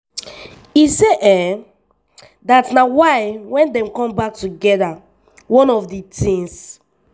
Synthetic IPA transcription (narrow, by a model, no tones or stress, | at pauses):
iseʔɛ | datnawaɪwɛ̃ndɛ̃mkɔ̃mbak̚tuɡɛda | wɔ̃nɔfditʰĩŋs